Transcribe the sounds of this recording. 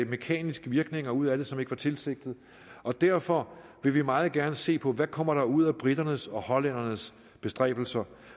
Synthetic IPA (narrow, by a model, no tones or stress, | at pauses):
me̝kʰɛ̰ːnisɡ̥əʋiɐɡ̥ne̝ŋɐuð̞̰ˠæɾe̝sɒme̝ɡ̥əʋɑ̈t͡sʰe̝lse̝ɡ̥̚d̥ð̩ˠ | ɒ̽d̥æɐfɒ̽ʋe̝ʋimɑ̈ːð̩ˠɡ̥æɐnəse̝̰ːpʰɒ̽ʋækʰɒ̽m̰ɐɾ̥ɑ̈uð̞̰ˠæb̥ʁid̥ɐnəsɒ̽hɒ̽læn̰ɐnəs | b̥e̝sd̥ʁɛ̰ːb̥l̩sɐ